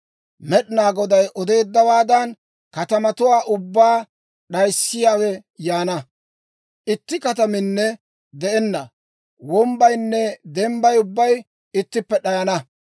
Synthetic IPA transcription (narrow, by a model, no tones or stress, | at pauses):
mɛɗɪnaːɡɔd̪ɐjʔɔd̪e̞ːd̪ːɐwaːd̪ɐn | kɐt̪ɐmɐt̪ʊwaːʔʊbːaː | ɗɐjsːɪjaːwɛjaːnɐ | ʔɪt̪ːɪkɐt̪ɐmɪnːɛ | d̪ɛʔɛnːɐ | wɔmbɐjnːɛd̪ɛmbɐjʊbːɐj | ɪt̪ːɪpːɛɗɐjɐnɐ